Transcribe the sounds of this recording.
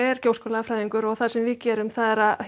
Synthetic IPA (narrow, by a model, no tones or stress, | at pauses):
ɛɾ̥koːwskɔːlaafɾaːjðiŋkʏɾɔɣθḁsɛmvɪðcɛːɾʏmθaðɛɾað